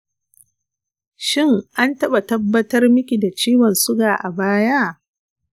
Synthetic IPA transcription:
ʃɪ˦˨ŋʔa˦ntɐ˦ɓa˨tɐ˦bːɐ˦tɐ˦rmɪ˦kʲi˨da˨t͡ʃiː˦wɔ˨nsʊ˦ɡaː˨ʔa˨baː˦ja˦

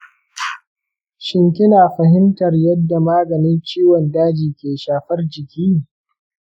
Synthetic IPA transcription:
ʃɪ˦ŋkʲɪ˦naː˨ɸɐ˨ɦɪ˦mtɐ˨rjɐ˦dːa˨maː˦ɡɐ˨nɪ˦nt͡ʃiː˦wɔ˨ndaː˦d͡ʒiː˨kʲeː˨ʃaː˨ɸɐ˦rd͡ʒɪ˨kʲiː˦neː˨

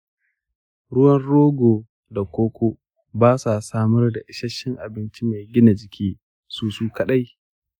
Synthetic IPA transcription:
ɽʊ˦wɐ˦nɽoː˦ɡoː˨ | da˨kʷoː˦kʷo˦ | baː˦sa˨saː˦mɐ˦rda˨ʔɪ˦ʃɐ˦ʃɪ˦ŋʔa˨bɪ˦nt͡ʃi˦me˨ɡʲɪ˦na˨d͡ʒɪ˨kʲʰiː˦ | suː˦suː˦kɐ˦ɗa˦j

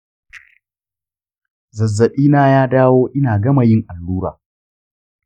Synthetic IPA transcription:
zɐ˨zːɐ˨ɗiː˦naː˦jaː˦daː˦woː˦ʔɪ˦naː˨ɡɐ˦ma˨jɪ˦ŋʔa˨lːuː˦ɾa̰ː˨

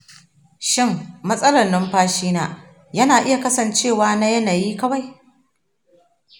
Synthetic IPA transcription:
ʃɪ˦˨mːɐ˦sʼɐ˦lɐ˨rnɐ˦mɸaː˦ʃiː˦naː˦ | jɐ˦naː˨ʔɪ˦ja˨kɐ˦sɐ˨nt͡ʃeː˦˨waː˦na˦jɐ˦naː˨jiː˦kɐ˦wa˨j

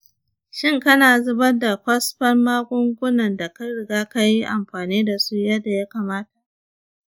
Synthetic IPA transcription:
ʃɪ˦˨ŋkɐ˦naː˨zʊ˦bɐ˦da˨kʷɐ˦sɸɐ˦mːaː˦ɡʷʼʊ˦ŋɡʷʊ˦nɐ˨nda˨ka˦ɽɪ˨ɡaː˦ka˦ji˦ʔa˨mɸaː˨niː˦da˨su˦jɐ˦dːa˨ja˦ka˨maː˦ta˨ʔ

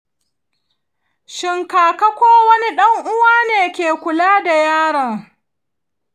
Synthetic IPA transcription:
ʃɪ˨ŋkaː˨kɐ˦kʷoː˦wɐ˦ni˦ɗɐ˦ŋʔʊ˦waː˦neː˨kʲeː˨kʷʊ˨laː˦da˨jaː˦ɽɐ˨ŋ

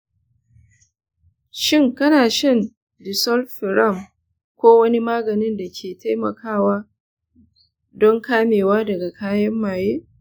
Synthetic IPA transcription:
ʃɪ˦ŋkɐ˦naː˨ʃɐ˦˨n | dɪ˨sɔ˦lɸɪ˨ɾɐ˦˨m | kʷoː˦wɐ˦ni˦maː˦ɡɐ˨nɪ˦nda˨kʲʰeː˨ta˦jmɐ̰˨kʰaː˦˨waː˦ | dɔ˦ŋkaː˦meː˨waː˦dɐ˨ɡa˨kaː˦jɐ˦mːaː˨jeː˦

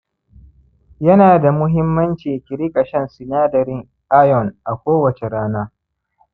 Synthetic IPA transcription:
jɐ˦naː˨da˨mʊ˦ɦɪ˦mːɐ˦nt͡ʃiː˨kʲɪ˨ɾi˦kʼɐ˨ʃɛ˦nsɪ˨naː˦dɐ˨ɾɪ˦ŋ | ʔa˦jɔ˨nʔa˨kʷoː˦wɐ˨t͡ʃe˨ɾaː˦naː˦

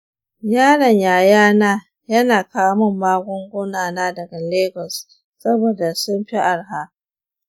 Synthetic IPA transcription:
jaː˦ɽɐ˨ɲjaː˨jaː˦naː˦ | jɐ˦naː˨kaː˦mʊ˦mːaː˦ɡʷɔ˦ŋɡʷʊ˦naː˨naː˦dɐ˨ɡa˨leː˦ɡɔ˨s | sɐ˦boː˨da˨sʊ˦mɸi˦ʔa˨ɽɦa˦ʔ

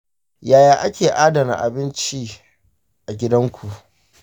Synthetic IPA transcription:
jaː˨jaː˦ʔa˦kʲeː˨ʔaː˦dɐ˨na̰˨ʔa̰˨bɪ˦nt͡ʃi˦ | ʔa˨ɡʲɪ˦dɐ˦ŋkʷu˨ʔ

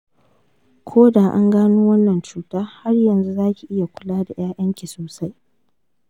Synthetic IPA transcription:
kʷʰoː˦daː˨ʔa̰˦ŋɡaː˦nuː˦wɐ˦nːɐ˨nt͡ʃuː˦taː˦ha˦rjɐ˨nzu˦zaː˦kʲi˨ʔɪ˦ja˨kʷʊ˦laː˦da˨j̰aː˦jʔɐ˦ŋkʲi˨soː˨sa˦j

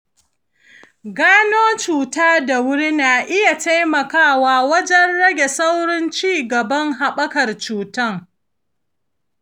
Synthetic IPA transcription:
ɡaː˦noː˦t͡ʃuː˨taː˦da˨wʊ˦ɽi˦naː˨ʔɪ˦ja˨ta˦jmɐ˨kaː˦˨waː˨wɐ˦d͡ʒɛ˦nɽɐ˦ɡʲe˨sa˦wɽɪ˦nt͡ʃiː˦˨ɡɐ˨bɐ˦ŋɦa˨ɓɐ˦kɐ˨rt͡ʃuː˨tɐ˦˨ŋ

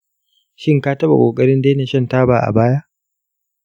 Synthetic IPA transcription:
ʃɪ˦ŋkaː˦tɐ˦ba̰˨kʷʼoː˨kʼɐ˦ɾɪ˦ndeː˦ne˨ʃɐ˦ntaː˦baː˨ʔa̰˨baː˦ja˦ʔ

